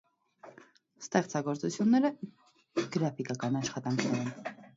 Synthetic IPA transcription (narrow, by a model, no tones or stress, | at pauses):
st̪ɛχt͡sɑɡɔɾt͡sut͡sʰjunːɛɾə | ɡ̥əɾɑfikɑkɑnɑʃχɑt̪ɑŋkʰnɛɾɛn